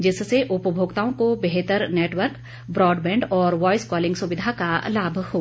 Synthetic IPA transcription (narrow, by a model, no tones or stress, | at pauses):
d͡ʒɪsseʔʊpəbʱoːɡt̪aːõkobeɦt̪əɾneːʈʋəɾk | bɾɔːɖbɛ̃ːɳɖɔːɾʋɔːɪskɔːlɪ̃ŋɡsʊʋɪd̪ʱakalaːbʱhoː